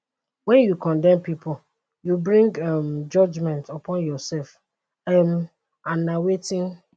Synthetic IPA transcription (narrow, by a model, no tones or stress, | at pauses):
wɛ̃njukɔ̃ndɛ̃mpipʰʊ | jubɹĩŋɡamd͡ʒɔd͡ʒmɛ̃ntɔpʰɔ̃njɔsɛlf | ɛm | ãnːawetɪ̃n